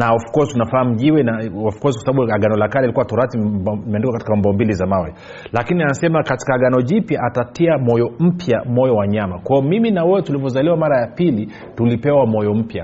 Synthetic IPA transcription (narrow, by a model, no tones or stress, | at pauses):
naufu̥kɔzitunafaːm̩ʄiwɛnaafu̥kɔzikwasaɓaɓuaɡanɔlakalailikuwatɔɾatimɛandikakatikaɔmbɔmbilizamawɛ | lakinianasɛmakati̥kaːɡanɔʄipjaʔatatiamɔjɔm̩pʰjamɔjɔwaɲamakwajɔmiminawɛwɛtulivɔzaliwamaɾajapili | tulipɛwamɔjɔm̩pja